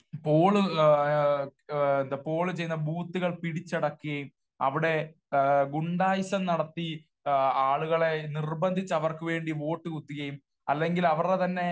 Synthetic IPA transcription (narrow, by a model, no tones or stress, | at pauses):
poːɭɨ | nd̪ɐpo̞ːɭɨt͡ɕe̞jnːɐbuːt̪ːuɣɐɭpiɽit͡ɕːɐɽɐkːuɣɐjum | ɐ̰ʋiɽe̞ | ɡuɳɖaːjɐɕɐmnɐɽɐt̪ːi | aːɭuɣɐɭe̞nirbɐnd̪ʱit͡ɕːɐʋɐrkɨʋe̞ːɳɖiʋo̞ːʈːɨkut̪ːiɣɐjum | ɐlːe̞ŋɡilɐʋɐret̪ɐnːe̞